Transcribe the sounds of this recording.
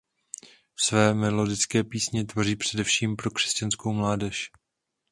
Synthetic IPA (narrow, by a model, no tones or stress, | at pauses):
fsvɛːmɛlo̞dɪt͡skɛːpiːsɲɛt̪vo̞riːpr̝̥ɛdɛfʃiːmpɾo̞kr̥ɛ̥scanskowmlaːdɛʃ